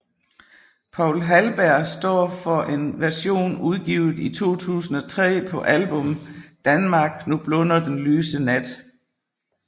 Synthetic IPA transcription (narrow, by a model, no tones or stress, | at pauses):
pʰɑ̈ʊ̰lɦælb̥æɐ̰sd̥ɒ̰ːfɒ̽ʔe̝nʋæɐɕo̝̰ːnuðˠɡ̥iʊð̩ˠit͡sʰo̝̰ːt͡sʰṵːsn̩ɒ̽t͡sʰʁɛ̰ːpʰɒ̽ʔælb̥ɔ̽md̥ænmɑ̈ːɡ̥nub̥lɔ̽nɐd̥enlyːsənæd̥